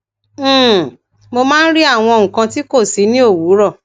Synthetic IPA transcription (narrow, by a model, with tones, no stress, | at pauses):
mo˧mãː˦n̩˦ɾi˦a˦˨w̃ɔ̃˧õ˧˨kã˧ti˦ko˦˨si˨˦nĩ˦o˦˨wu˨˦ɾɔ˦˨